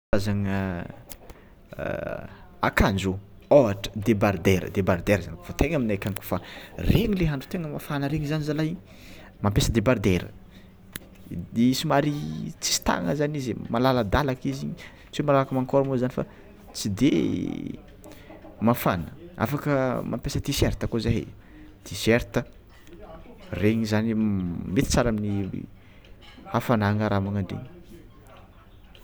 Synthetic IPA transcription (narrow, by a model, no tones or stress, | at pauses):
azaŋə | a̰kand͡ʒo | oaʈ͡ʂə̥d̪ebard̪eɾə̰d̪ebaɾd̪eɾəzaniv̥ot̪eŋaminakʲaŋku̥fareɲileɦaɳɖ͡ʐu̥t̪eŋəmafanəɾeɲizanizalaj | mampesəd̪ebaɾd̪eɾə̰ | eisimaɾit͡si̥si̥t̪a̰ŋəzanizmalaləd̪alakiziɲi | t͡simalalakəmaŋkoɾumozanifa̰ | t͡sid̪e | mafanəa̰fakəmʔa̰mpesət̪iseɾt̪əkozaɦḛ | t̪iseɾt̪ə | reŋizanimet̪i̥t͡saɾamini | afanaŋəɾamaŋaɳɖ͡ʐḛɲi̥